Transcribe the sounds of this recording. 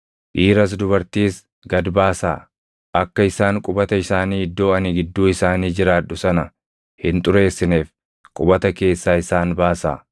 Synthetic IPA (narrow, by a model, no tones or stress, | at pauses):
ʔiːɾɐs̬d̪ʊbɐɾt̪iːs | ɡɐd̪baːsa̰ː | ʔɐkːɐɪsaːŋkʼʊbɐt̪ɐɪsaːniːɪd̪ːo̞ːɐniːɡɪd̪ːuːɪsaːniːd͡ʒɪɾaːʊsɐnɐ | hɪnt̪ʼʊɾe̞ːsːɪneːf | kʼʊbɐt̪ɐke̞ːsːaːɪsaːnbaːsa̰ː